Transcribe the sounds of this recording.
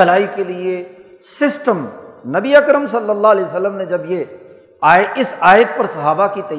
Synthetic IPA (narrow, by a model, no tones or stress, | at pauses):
ɐlaːikelie | sɪsʈəmnɐbiɐkɾəmsɐlːəlːaːɦlɛːsəlːəmnẽd͡ʒɐbje | aːeɪsaːjət̪̚pɐɾsɐɦaːbakit̪ɐ